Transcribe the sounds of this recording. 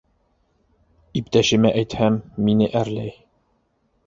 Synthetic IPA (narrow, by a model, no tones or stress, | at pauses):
ipt̪æʃɘ̆mæʔæjt̪hæmːinɘʔæɾlæj